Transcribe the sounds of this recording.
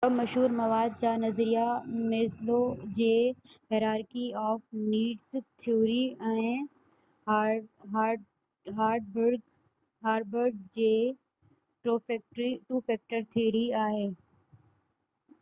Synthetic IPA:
ɐmɐʃɦuːɾmɐʋaːd̪̚t͡ɕaːnɐzɾijameːslod͡ʑeːhɛɾaːɾkiɔːfniːɖst̪ʰijoːɾiɛ̃ː | ɦ | ɦaːɾɖbɾɡ | ɦaːɾɖ̚bəɾɡ̚d͡ʑeː | ʈːʈɾiʈuːfɛːk̚ʈəɾt̪ʰiːɾiaːɦeː

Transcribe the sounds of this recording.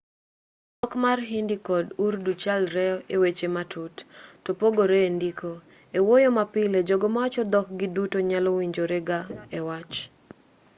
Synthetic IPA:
dɔkmarɦindikɔdurdut͡ʃalɾɛɔewet͡ʃematʰʊttopoɡoɾeːndiko | ewojomapɪled͡ʒoɡomawat͡ʃɔd̪ɔk̚ɡɪdutoɲalɔwiɲd͡ʒoɾeɡaewat͡ʃ

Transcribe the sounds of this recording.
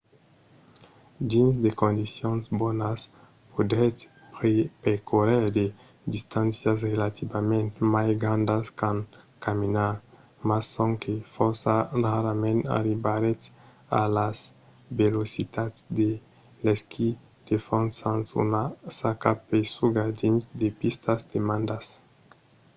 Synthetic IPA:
d̪insd̪ekõnd̪isjõnzbɔnas | pod̪ɾe | ppekʰoɾɛɾd̪e | d̪ist̪ãnsjas̬ʁelat̪ibamẽnt̪majɡɾãnd̪askãn | kaminaɾ | masːõŋkefɔɾsaraɾamẽnt̪a̰ɾibaɾe | a̰laz | belosit̪asd̪e | lɛskʰi | d̪̥efɔ̃nsãnsṵnasakapesuɡaɾd̪insd̪epist̪azd̪emãnd̪as

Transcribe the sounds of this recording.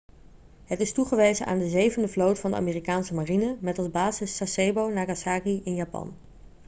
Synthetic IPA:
ɦətɪstuχəʋejzəʔa̰ːndəzejvəndəvlowtfɑndə̰a̰miːrikaːnsəmarinəmɛtɑlˠzbaːzɪsːasejbownaːɡasaːɡiʔɪnjaːpɑ̰n

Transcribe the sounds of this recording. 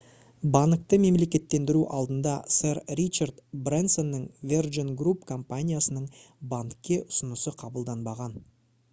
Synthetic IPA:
bɑŋk̚t̪əme̞mle̞kʲe̞t̪ːe̞nd̪ɪɾuʔɑlˠd̪ənd̪ɑseɾɾit͡ʃard̪brenso̞nːəŋvʲerʒonɡrupkʰo̞mpanʲijasənəɴ | baŋkʲːe̞ʔʊsənəsəqʰɑbəlˠd̪ɑnbɑʁɑn

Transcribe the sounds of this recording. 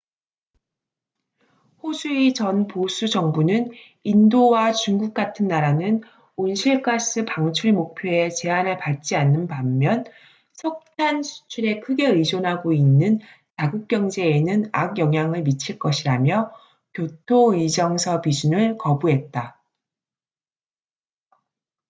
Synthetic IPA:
hosʰuit͡ɕʌnpos͈ʰud͡ʑʌŋbunɯn | indowat͡ɕuŋɡuk̚k͈atʰɯnːaɾanɯn | onɕʰiɭkʰas͈ɯpaŋt͡ɕʰuɾimok̚pʰjoe̞t͡ɕe̞anɯɭpat͡ɕ͈ianːɯnpamːjʌn | sʰʌk̚tʰanɕʰu̥t͡ɕʰuɾe̞kʰɯɡe̞ɯid͡ʑonɦaɡoinːɯn | taɡuk̚k͈jʌŋd͡ʑe̞ːnɯnaɡjʌŋɦjaŋɯɭmit͡ɕʰiɭk͈ʌɕʰiɾamjʌ | kjotʰoid͡ʑʌŋsʰʌpid͡ʑunɯɭkʌbuɦe̞t̚t͈a

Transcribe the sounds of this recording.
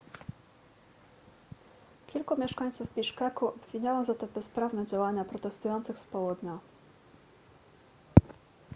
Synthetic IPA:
kʲilkumʲɛʂkaɲt̪suvbʲiʂkakuʔɔbvʲiɲawɔ̃zat̪ɔbɛspɾavnɛd͡ʑawaɲapɾɔt̪ɛst̪ujɔnt̪sɘxspɔwɔd̪ɲɔ

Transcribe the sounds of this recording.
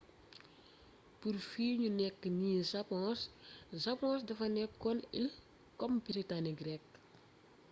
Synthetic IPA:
purfiːɲunɛkːəniːsɐpɔ̃ːssɐpɔ̃ːsdɐfɐnɛkːɔnil | kɔmbiɾitaniɡɾɛk

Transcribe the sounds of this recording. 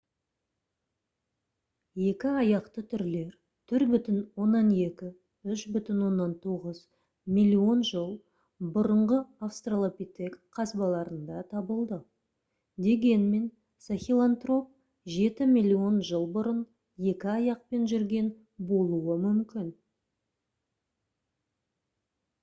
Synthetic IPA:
je̞kʲɪɑjɑqt̪ət̪ʰʏɾle̞ɾ | t̪ʰʏɾbʏt̪ɪnwo̞nːɑne̞kʲɪ | ʏʃbʏt̪ɪnwo̞nːɑnt̪ʰoʁəz | milʲːio̞nʒəlˠ | bʊɾəɴʁəafst̪ralˠopʲit̪ekqʰːɑsbɑlˠɑɾənd̪ɑt̪ʰɑbəlˠd̪ə | d̪e̞ɡʲe̞nme̞n | saxʲilˠant̪ro̞p̚ | ʒe̞t̪ɪmijlʲːio̞nʒəlˠbʊɾən | je̞kʲɪɑjɑq̚pe̞nʒʏɾɡʲe̞n | bo̞lˠuwəmʏmkʲɪn

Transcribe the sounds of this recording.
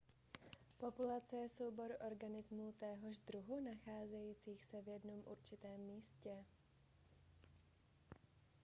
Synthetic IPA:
po̞pulat͡sɛjɛsowbo̞ɾʔo̞ɾɡanɪzmut̪ɛɦo̞ʒd̪ɾuɦunaxaːzɛjiːt͡siːxsɛvjɛdno̞mʔṵɾt͡ʃɪt̪ɛːmːiːscɛ

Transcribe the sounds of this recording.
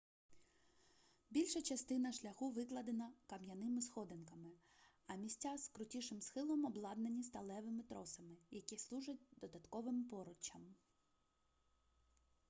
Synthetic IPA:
bʲilʲʃɐt͡ʃɐst̪ɪnɐʃlʲɐxuʋɪklˠɐd̪enɐkɐmjɐnɪmɪsxɔd̪enkɐmɪ | ɐmʲisʲtʲːaskɾʊtʲiʃɪmsxɪlˠɔmɔblˠɑd̪nenʲist̪ɐlˠɛʋɪmɪt̪ɾɔsɐmɪjɐkʲislˠuʒɐt̚ʲd̪ɔd̪ɐt̪kɔʋɪmpɔɾʊt͡ʃɐm

